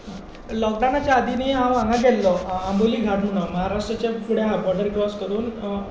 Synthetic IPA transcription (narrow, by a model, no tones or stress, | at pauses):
lɔk̚ɖanat͡ɕjaːd̪ʱiniːɦãʋaŋaɡɛlːɔamboliːɡʱaʈʰmuɽ̃ɔməɦaɾaʂʈɾət͡ɕefuɽeɦabɔʈəɾkɾɔskəɾuːn